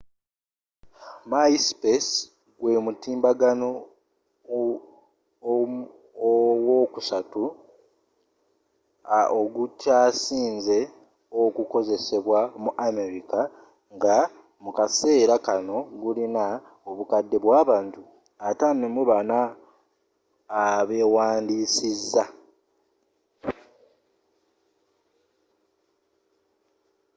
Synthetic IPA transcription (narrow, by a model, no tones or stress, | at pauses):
maispes | ɡwe̞mutiːmbaɡano | wokusatu | ʔoɡutaːsiːnze̞ | okuko̞ze̞se̞βwamuʔame̞ɾika | ŋɡa | mukase̞ːɾakano̞ɡulina | oβukadːe̞βwaːβaːntu | atanemuβana | βe̞ːwaːndiːsizːa